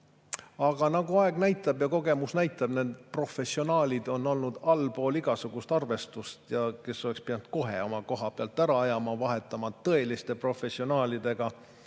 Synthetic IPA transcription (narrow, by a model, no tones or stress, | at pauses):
ɑɡ̥ɑnɑɡ̥uɑeɡ̥næjt̪ːˑɑb̥jɑko̞ɡ̥e̞musnæjt̪ˑːɑb̥ne̞nd̪̥pro̞fe̞sːio̞nɑːlʲid̪̥o̞nːo̞lnud̪̥ɑlpo̞ːliɡ̥ɑsuɡ̥ust̪ɑrve̞st̪ust̪jɑke̞sːo̞le̞kspiɑnut̪̚ko̞ɦe̞̰o̞mɑko̞ɦɑpeɑlt̪ːˑæɾɑɑjɑmɑvɑɦe̞t̪ːˑɑmɑt̪ɤe̞list̪e̞pro̞fe̞sːio̞nɑːlʲid̪̥e̞ɡ̥ɑ